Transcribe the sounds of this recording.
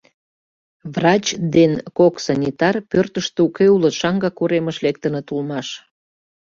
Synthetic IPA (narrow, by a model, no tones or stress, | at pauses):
vrɑt͡ɕd̪enkoksɑnʲit̪ɑrpørt̪əʃt̪eukeulət̪ʃɑŋɡɑkuɾeməʃlek̚t̪ənət̪ulmɑʃ